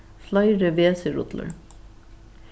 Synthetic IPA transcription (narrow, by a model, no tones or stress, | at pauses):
flɑɪɾəʋeːsəɾʊ̰t̪lə̰ɹ